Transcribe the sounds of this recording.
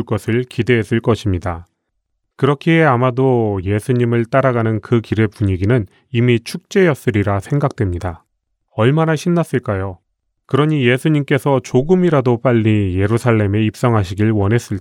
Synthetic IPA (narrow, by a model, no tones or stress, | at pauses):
ɭk͈ʌsʰɯɭkide̞ɦes͈ɯɭk͈ʌɕʰimɲida | kɯɾʌkʰiɦe̞amadoje̞sʰuɲimɯɭt͈aɾaɡanɯnkɯkiɾe̞puɲiɡinɯn | imit͡ɕʰuk̚t͡ɕ͈e̞jʌs͈ɯɾiɾasʰe̞ŋɡak̚t͈we̞mɲida | ʌɭmanaɕʰinːas͈ɯɭk͈ajo | kɯɾʌɲije̞sʰuɲimk͈e̞sʰʌt͡ɕoɡɯmiɾadop͈aʎːije̞ɾusʰaɭːe̞me̞ip̚s͈ʌŋɦaɕ̬ʰiɡiɭwʌnɦe̞s͈ɯɭ